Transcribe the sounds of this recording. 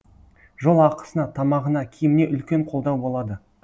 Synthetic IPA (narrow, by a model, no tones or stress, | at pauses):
ʒo̞lˠɑqə̥sənɑt̪ʰɑmɑʁənɑkʲʰijɪmɪne̞ʔʏlkʲe̞ɴqʰo̞lˠd̪ɑwbo̞lˠɑd̪ə